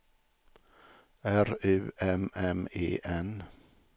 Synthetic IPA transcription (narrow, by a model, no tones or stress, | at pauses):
æɾʉːʔɛmɛmḛːʔɛn